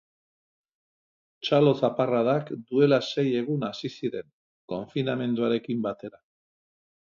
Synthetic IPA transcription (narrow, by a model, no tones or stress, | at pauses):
t͡ʃalo̞saparaðakd̪ue̞lase̞je̞ɣ̞unasisiɾe̞ŋ | ko̞ɱfiname̞nd̪uaɾe̞kimbat̪e̞ɾa